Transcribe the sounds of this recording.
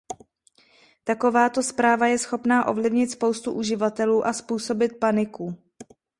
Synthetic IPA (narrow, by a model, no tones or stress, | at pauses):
t̪ako̞vaːt̪o̞spɾaːvajɛsxo̞pnaːʔo̞̰vlɪvɲɪt̪spo̞wst̪uʔuʒɪvat̪ɛluːʔaspuːso̞bɪt̪̚panɪku